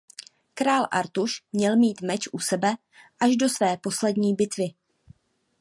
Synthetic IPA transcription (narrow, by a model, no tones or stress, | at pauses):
kɾaːlʔa̰ɾt̪uʃmɲɛlmiːt̪mɛt͡ʃʔusɛbɛ | ʔaʒdo̞svɛːpo̞slɛdɲiːbɪt̪vɪ